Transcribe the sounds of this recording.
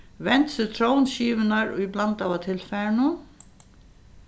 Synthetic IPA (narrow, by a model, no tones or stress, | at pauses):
vɛnt̪sɪt̪ʰɾoːwnʃiːʋɪnaɹʊ̰jblant̪awat̪ʰɪlfɛɹnʊ